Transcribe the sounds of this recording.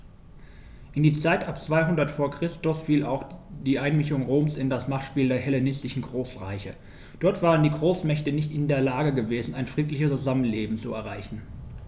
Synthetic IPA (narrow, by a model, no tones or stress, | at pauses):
ʔɪndiːt͡saɪtʔapt͡sv̥aɪɦʊndɐtfoːɐkʁ̥ɪstʊsfiːlaʊxd̥iːʔaɪnmɪçʊŋʁoːmsɪndasmaχtʃpiːldeːɐhɛlenɪstɪʃn̩ɡʁoːsʁa̰ɪçə | d̥ɔɐtv̥aːʁ̞əndiːɡʁoːsmɛçtənɪçtɪndeːɐlaːɡəɡəveːzn̩aɪnfʁ̥iːtlɪçət͡suzamənleːbm̩t͡suɛ̰ɐʁaɪçn̩